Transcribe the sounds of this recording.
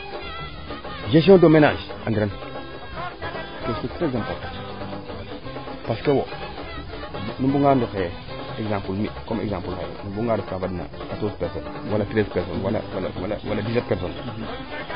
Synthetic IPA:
d͡ʒes̬õdomenad͡ʒa̰ɡiɾan | kestukteɡzãmpo | paskewo | nimbuŋɡandike | eɡzãmpulmḭkomḛɡzãmpulkḛnimbuŋɡadifkavadina̰ | katospɛson | walakɾespeɾsonwala̰wala̰wala̰wa̰ladis̬et̚peɾson

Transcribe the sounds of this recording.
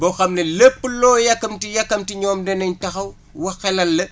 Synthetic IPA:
bɔxɐmnɐlepːəlɔːjɐkːɐmtijɐkːɐmtiɲɔːmdɛnɐɲtɐxɐw | wɐxɛlɐlːɐ

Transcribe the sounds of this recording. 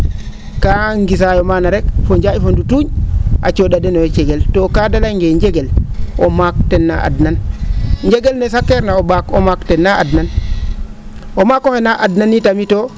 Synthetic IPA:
kaŋɡis̬ajɔmanaɾɛkfɔɲd͡ʒaifondutuɲʔa̰t͡ʃɔɗadɛnɔjɔt͡ʃɛɡɛltɔkadalaŋɡɛɲd͡ʒɛɡɛlʔɔmak̚tɛnːa̰ʔa̰dnanɲd͡ʒɛɡɛlnɛsakːɛɾnaɔbakɔmaktɛnːaadnan | ʔɔmakɔhɛnaʔadnanitamitɔ

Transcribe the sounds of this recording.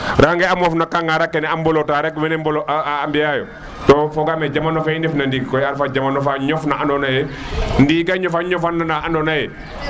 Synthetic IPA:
ɾaŋɡɛamɔfnakaŋɡaɾakːɛnɛambɔlotaɾɛkumɛnɛmbɔlɔʔaːmbijajɔ̰ | tɔfɔɡamɛd͡ʒamanɔfaindɛfnandiɡkɔjaɾfad͡ʒamanɔfaɲɔfnaandɔnajɛndiɡaɲɔfaɲɔfanːanaandɔnajɛ

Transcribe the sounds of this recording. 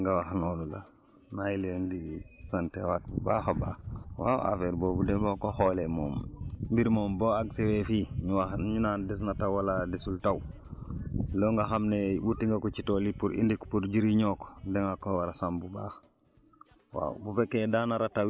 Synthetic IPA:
ŋɡawaxnolula̰ | najilendisantewat̚bubaːxoba̰ːwa̰wa̰feɾboːbudebokoxolemo̰ːmmbiɾmoːmboːaɡsewefiɲuwaɲunaːndis̬natawwaladisultaw | loŋɡaxamnebutiŋɡakut͡ʃitolipuɾʔḭndiku̥puɾɟiɾiɲoːko̥deŋakowaɾasambubax | wa̰ːbufekːedanaɾataw

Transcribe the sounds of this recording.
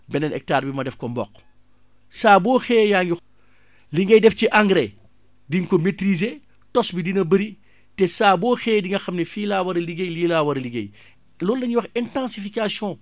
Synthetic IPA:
bɛnɐnʔɛ̰k̚taːɾbimɐdɛfkɔmbɔ̰qː | saːbɔːxɛːjaːŋɡi | liŋɡɛjdɛfciʔaŋɡɾɛ | diŋkɔmetɾize | tɔsbidinɐbɐɾi | tɛsaːbɔːxɛːdiŋɡɐxɐmnɛfiːlaːwɐɾɐliɡejliːlawɐɾɐliŋɡḛj | lɔːlnɐɲiwɐxɛntãnsifikasjɔ̃ː

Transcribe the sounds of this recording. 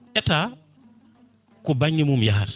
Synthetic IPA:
ʔɛta | kɔbaŋɡimumjaɦaɾ

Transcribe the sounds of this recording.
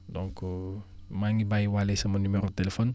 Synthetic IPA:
dɔ̃ŋk | maŋibajwalesɐmɐnymeɾotelefɔn

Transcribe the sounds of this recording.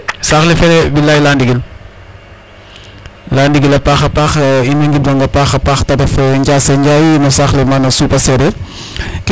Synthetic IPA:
saxlifɛɾɛbilajlandiɡil | landiɡilɐpaxɐpaxiniŋɡidɔŋɡɐpaxɐpaxtɐbɐfɛɲɟaːseɲɟajinɔsaxlɛmanɐsuːpɐsɛɾɛ | k

